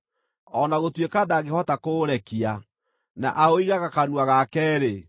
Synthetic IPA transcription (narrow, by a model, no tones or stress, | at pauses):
ɔnaɣotwekaðaɣehɔtakoːɾɛkia | na̰ʔaoiɣaɣakaɾwaɣakɛːɾe